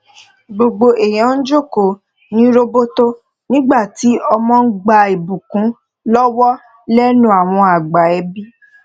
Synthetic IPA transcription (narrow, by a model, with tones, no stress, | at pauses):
ɡ͡bo˨ɡ͡bo˧ʔe˨j̃ɔ̃˨˦n̩˦d͡ʒo˦˨ko˨ | nĩ˦ɾo˦bo˦to˦ | nĩ˦ɡ͡ba˦˨ti˨˦ɔ˧mɔ̃˦n̩˦ɡ͡ba˧i˨bũ˨kũ˨˦ | lɔ˦wɔ˦ | lɛ˦nũ˦a˨w̃ɔ̃˧a˨ɡ͡ba˨ɛ˨˧bi˦